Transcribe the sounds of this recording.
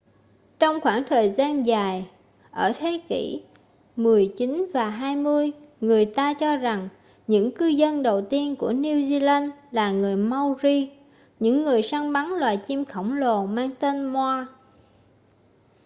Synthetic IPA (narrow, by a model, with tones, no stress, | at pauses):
t͡ɕɔ˧wŋ͡mxwaː˧˩ŋt̪ʰəː˨˩jzaː˧nzaː˨˩j | ʔəː˧˩t̪ʰe˨˦kḭ˧˩ | mɨ˨˩əjt͡ɕi˨˦nvaː˨˩ɦaː˧jmɨ˧əjŋɨ˨˩əjt̪aː˧t͡ɕɔ˧za˨˩ŋ | ɲɨ̰˧˥ŋkɨ˧zə˧nɗə˨˩wt̪i˧ənku˧˩əni˧wzi˧laː˧nlaː˨˩ŋɨ˨˩əjma˧wzi˧ | ɲɨ̰˧˥ŋːɨ˨˩əjsaː˧ŋɓa˨˦nlwaː˨˩jt͡ɕi˧mxə˧˩wŋ͡mlo˨˩maː˧ŋt̪e˧nmwaː˧